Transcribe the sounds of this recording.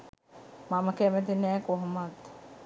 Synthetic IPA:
maməkæmɛt̪̬inɛːkoɦomat̪

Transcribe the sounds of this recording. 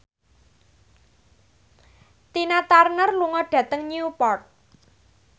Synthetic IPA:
t̪inat̪arnərluŋɔɖ̥ä̤t̪əŋnupɔrt̪̚

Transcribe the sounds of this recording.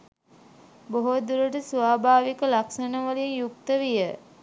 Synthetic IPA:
boɦod̪uɾəʈəsʋaːbʱaːʋikəlaksənəʋəlinjuk̚t̪əʋijə

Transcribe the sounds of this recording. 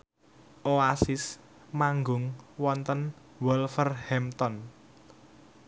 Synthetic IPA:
ʔoasɪs | maŋɡʊŋwɔnt̪ən | wɔlfərhɛmt̪ɔn

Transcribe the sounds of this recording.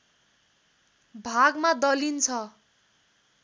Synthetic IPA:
bʱaɡmad̪ʌlint͡sʰʌ

